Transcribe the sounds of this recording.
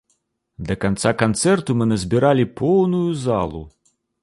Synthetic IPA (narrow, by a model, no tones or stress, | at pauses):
d̪ɐkant̪sakant̪sɛrt̪umɨnɐzʲbʲiɾalʲipɔwnujuza̰lˠṵ